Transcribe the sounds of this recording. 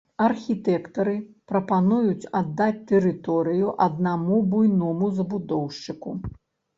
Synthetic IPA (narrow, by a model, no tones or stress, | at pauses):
ɐrxʲit̪ɛkt̪ɐɾɨpɾɐpanujut͡sʲad̪ːat͡sʲt̪ɛɾɨt̪ɔɾɨjuʔɐd̪̚namubujnɔmuzɐbud̪ɔwʂt͡ʂɨku